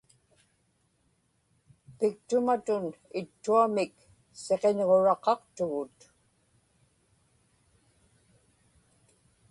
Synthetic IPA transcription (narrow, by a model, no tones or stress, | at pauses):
pɪk̚t̪ʊmat̪ʊnɪt̪ːuamɪk | se̞qeɲʁo̞ɻɑqɑqt̪ʊɣʊt̪